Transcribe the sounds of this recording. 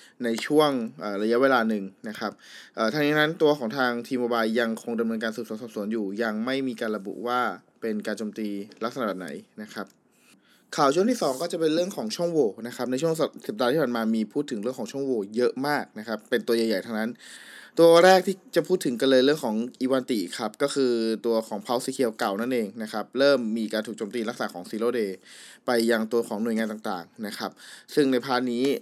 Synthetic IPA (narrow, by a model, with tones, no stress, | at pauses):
na˧jt͡ɕʰu˥˩əŋʔəː˨˩ɾa˧ja˦˥weː˧laː˧nɯ˨˩ŋna˦˥kʰa˦˥p̚ʔəː˨˩t̪a˧ŋni˦˥na˦˥nt̪u˧ɐkʰɔː˩˦ŋt̪ʰaː˧ŋt̪ʰiː˧mjoː˧baː˧jːa˧ŋkʰo˧ŋda˧mnɤː˧nk̬aː˧nsu˨˩suː˨˦nsɔː˨˩p̚su˩˦ənjuː˨˩ja˧ŋma˥˩jmiː˧kaː˧nɾa˧bṵ˨˩waː˥˩ | pe˧nkaː˧nt͡ɕoː˧mt̪iː˧la˦˥k̚sa˧n˨˩bɛː˨˩p̚na̰˩˦jna˦˥kʰa˦˥p̚ | kʰaː˨˩wt͡ɕʰu˥˩ŋtʰiː˥˩sɔː˩˦ŋkɔː˥˩t͡ɕa˨˩pe˧nɾɯ˥˩əŋkʰɔː˩˦ŋt͡ɕʰu˥˩əŋwoː˧na˦˥kʰa˦˥p̚na˧jt͡ɕʰu˥˩əŋssa˨˩daː˧iː˥˩pʰaː˨˩maː˧miː˧pʰuː˥˩t̪ʰːɯ˩˦ɾɯ˥˩əŋkʰːt͡ɕʰə˨ŋwoː˧jɤ˦˥ʔmaː˥˩k̚na˦˥kʰa˦˥pːe˧nt̪u˧jaː˨˩ja˨˩jt̪ʰa˧ŋna˦˥nt̪u˧ɐɾɛː˥˩k̚t̪ʰiː˥˩t͡ɕa˨˩pʰuː˥˩t̪ʰːɯ˩˦ka˧lɤː˧jɾɯ˥˩əŋkʰɔː˩˦ŋʔiː˧waː˧nt̪i˨˩kʰa˦˥p̚kɔː˥˩kʰɯː˧t̪u˧ɐkʰɔː˩˦ŋpʰa˦˥wsiː˧kʰi˧ə˧wka˨˩wna˥˩nʔeː˧ŋna˦˥kʰa˦˥p̚ɾɤː˥˩mːiː˧kaː˧nt̪ʰuː˨˩k̚t͡ɕoː˧mt̪iː˧la˦˥k̚sa̰ː˨˧˦kʰɔː˩˦ŋsiː˧loː˥˩deː˧pa˧jːa˧ŋt̪u˧ɐkʰɔː˩˦ŋnu˨˩əjŋaː˧t̪aː˨˩ŋt̪a̰ː˨˩ŋna˦˥kʰa˦˥p̚sɯ˥˩ŋna˧jpʰaː˧˥nːiː˦˥